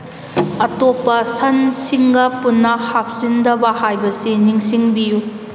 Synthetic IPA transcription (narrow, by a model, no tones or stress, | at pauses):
ɐtopːɐsɐnsiŋɡɐpunːɐhap̚sindɐbɐhajbɐsiniŋsiŋbiju